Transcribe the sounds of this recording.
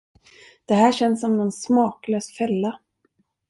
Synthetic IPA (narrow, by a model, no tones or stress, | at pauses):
d̪̥ɛɦæːɕɛnːsɔmnɔnsmɑːkløːsfɛlːa